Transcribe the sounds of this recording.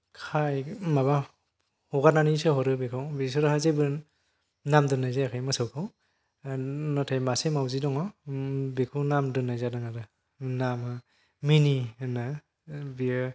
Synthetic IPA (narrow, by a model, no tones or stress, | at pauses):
kʰajmaβa | hɔɡananisɯɦɔɾɯbekʰɯwbisɔɾhazebɯ | namdɯnːajzajakʰajmɯsɯwkʰaw | natʰajmasemawzidɔŋɔbekʰɯwnamdɯnːajzadɯŋaɾɯ | namɯ | minina | biɯ